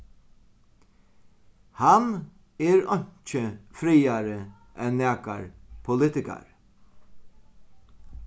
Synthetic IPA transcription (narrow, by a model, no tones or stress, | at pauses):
han | ɛɾɔɲ̥t͡ʃəfɾiːaɾə | ʔɛnːæːka̰ɹpʰʊlɪt̪ɪka̰ɹ